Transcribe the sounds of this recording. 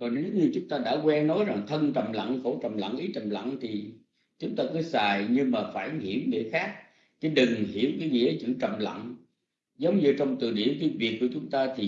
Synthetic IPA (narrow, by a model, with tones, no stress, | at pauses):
kɔ˨˩ne˨zŋ͡mɲɨ˧t͡ɕʊ˨˦ŋ͡mt̪aː˧ɗa̰ː˧˥kwɛ˧nnɔ˨˦jza˨˩ŋt̪ʰə˧nt͡ɕə˨˩mla̰˧˨ŋxo˧˩t͡ɕə̰˨˩ŋ͡mla̰˧˨ŋʔi˨˦t͡ɕə˨˩mla̰˧˨ŋt̪ʰi˨˩ | t͡ɕʊ˨˦ŋ͡mt̪aː˧kɨ˨˦saː˨˩jɲɨ˧maː˨˩faː˧˩jhi˧˩əwɗḛ˧˩xaː˦˥k̚ | kaː˨˦jɗɨ˨˩ŋhi˧˩əwkaː˨˦jŋḭ˧˥˨ə˨˦jt͡ɕɨ̰˧˨t͡ɕə̰˧˨˩wŋ͡mla̰˧˨ŋ | zə˨˦wŋ͡mɲɨ˧t͡ɕɔ˧wŋ͡mt̪ɨ̰˧˨ɗḭ˧˩ənk̬aː˨˦jvi˨˩ək̚ːu˧˩ət͡ɕʊ˨˦ŋ͡mt̪aː˧t̪ʰi˨˩